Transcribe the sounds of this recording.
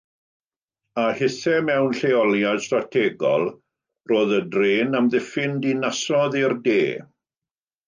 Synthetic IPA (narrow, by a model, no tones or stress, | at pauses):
ahɪθɛmɛwnɬeɔlˠjad̥stratʰɛːɡɔ̰lˠ | roːðədreːnamðɪfɪndinasɔðirdeː